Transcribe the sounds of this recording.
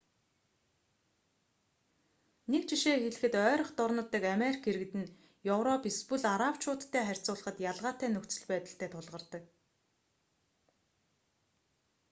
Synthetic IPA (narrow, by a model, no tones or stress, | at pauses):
nekt͡ɕʰiʃeːxeɮɘ̆xɘ̆t̪œːɾɞ̆χt̪ʊrnə̆t̪ːiːkameɾʲikʰeɾɘ̆ɣ̆t̪ɘ̆n | jɵwɾɔpispɵɮaɾawt͡ɕʰʊːt̪ʰːæːχærʲt͡sʊːɮə̆χə̆t̪jaɮʁaːt̪æːnɵkt͡sɵ̆ɮpæːt̪ə̆ɬt̪ʰæːt̪ʰʊɮʁə̆rt̪ə̆k̚